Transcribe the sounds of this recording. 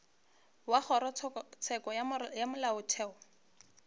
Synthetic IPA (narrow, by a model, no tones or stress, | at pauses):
waχɔɾɔt͡sʰɛkɔjamʊlaʊtʰɛːɔ